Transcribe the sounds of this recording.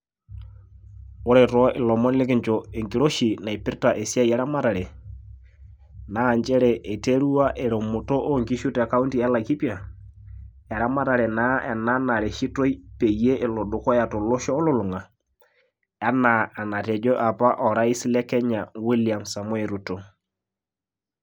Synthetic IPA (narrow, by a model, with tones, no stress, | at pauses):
ʊ˦ɾɛ˨tɔ˦ʔɪ˨lɔ˨mɔ˦nlɪ˦kɪ˦ɲt͡ʃɔ˨e˨ŋki˨ɾo˦ʃi˨na˨i˨pɪ˦ɾta˨ʔe˨sja˦jɛ˦ɾa˦ma˦ta˨ɾɛ˨ | naː˦˨ɲt͡ʃɛ˦ɾɛ˨ʔe˨te˦ɾu˦wa˦ʔe˨ɾo˨mʊ˨to˦ʔo˦ŋki˦ʃu˦tɛ˨ka˦u˦nti˨a˦la˨ki˦pja˨ | a˨ɾa˦ma˦ta˨ɾɛ˨na˦ɛ˨na˦na˨ɾe˨ʃi˦to˦i˦pe˨je˦ʔɪ˨lɔ˨dʊ˨kɔ˦ja˨tɔ˨lɔ˦ʃɔː˦lɔ˦lʊ˨ŋa˨ | a˨˦na˨a˨na˨tɛ˨d͡ʒɔ˦ʔa˨pa˦ʔɔ˨ɾa˦i˦sɪ˦lɛ˦kɛ˦ɲa˨wi˦li˨a˨msa˨mwe˨ɾu˨to˨